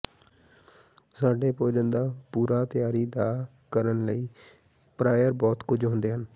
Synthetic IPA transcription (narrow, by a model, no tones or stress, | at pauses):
saːɖeːpoːd͡ʒənd̪aːpuːɾaːt̪ɪjaːɾiːd̪aː | kəɾənləiː | pɾaːjəɾbɔːt̪kʊd͡ʒɦõːnd̪eːɦən